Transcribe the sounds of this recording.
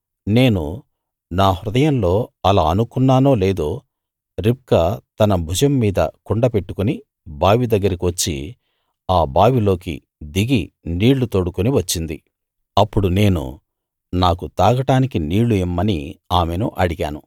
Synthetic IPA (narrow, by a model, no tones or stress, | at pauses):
ne̞ːnu | naːɦɾud̪ɐjɐnlo̞ːɐlaːɐnukunːaːno̞ːle̞ːd̪o̞ː | ɾip̚kɐt̪ɐnɐbʱud͡ʒɐmːiːd̪ɐ̰kuɳɖɐpe̞ʈːu̥kuni | baːʋid̪ɐɡːɐɾikiʋɐt͡ʃːḭ | aːbaːʋilo̞ːkḭ | d̪iɡi | niːɭːut̪o̞ːɽukuniʋɐt͡ʃːind̪ḭ | ɐpːuɽune̞ːnṵ | naːkut̪aːɡɐʈaːnikiniːɭuimːɐnḭaːmenṵʔɐɽiɡaːnu